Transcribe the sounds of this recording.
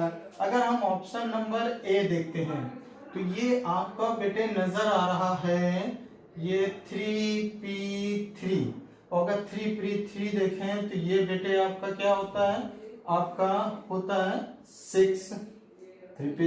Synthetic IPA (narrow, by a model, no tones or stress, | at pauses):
ɐɡəɾɦɐmɔːpʃənːɐ̃mbəɾed̪eːk̚ʰt̪eɦɛ̃ː | t̪ojeːʔaːpkabeːʈenɐzəɾaːɾɐɦaɦɛ | jet̪ʰɾipit̪ʰɾiː | ɔːɾɐɡəɾt̪ʰɾiːpɾiːt̪ʰɾid̪eːkʰẽɦɛ̃t̪ojebeːʈeaːp̚kakjaːɦoːt̪aɦɛːaːp̚kahoːt̪aɦɛ | sɪksʰ | i